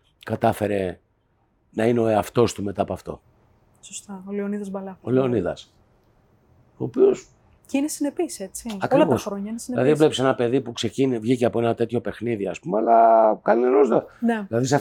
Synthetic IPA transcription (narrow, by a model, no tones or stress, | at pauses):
kɐt̪ɐfe̞ɾe̞ | nɐineo̞eɐft̪o̞st̪ume̞t̪ɐːpoɐft̪o̞̰ | sost̪ɐoleoniðɐzbɐlɐo̞leo̞niðɐ̰s | o̞ːpio̞s | cinesinepise̞t͡siɐkilɐvosxɾoɲɐinesinilɐðile̞pise̞nɐpe̞ðipukse̞cinivʝiceɐpo̞e̞nɐt̪e̞t̪ço̞pe̞xniðiɐspumeɐlɐkɐninenozd̪oneðilɐðis̬ɐ